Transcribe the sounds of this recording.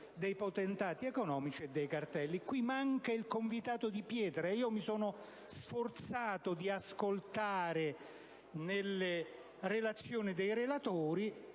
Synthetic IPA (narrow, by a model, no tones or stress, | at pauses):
d̪ejpot̪ɛnt̪aːt̪iɛkonɔːmit͡ʃied̪ːejkart̪ɛlːikwimaŋkailkoɱvit̪aːt̪od̪ipjɛːt̪ɾaiːomisoːno | sfort̪saːt̪od̪iaskolt̪aːɾe | nelːe | relat̪sːjoːnid̪ejɾelat̪oːɾi